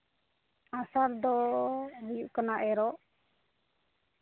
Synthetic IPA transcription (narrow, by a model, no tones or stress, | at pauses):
ãsaɾd̪ɔɦujuʔkanaʔɛɾɔʔ